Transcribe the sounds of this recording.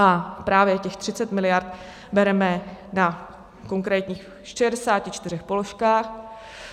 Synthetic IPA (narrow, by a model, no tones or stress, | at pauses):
ʔapɾaːvjɛcɛxt̪r̝̥ɪt͡sɛt̪mɪlɪjaɾt̪ | bɛɾɛmɛna | ko̞ŋkɾɛːt̪ɲiːx | ʃɛdɛsaːcɪt͡ʃt̪ɪrɛxpo̞lo̞ʃkaːx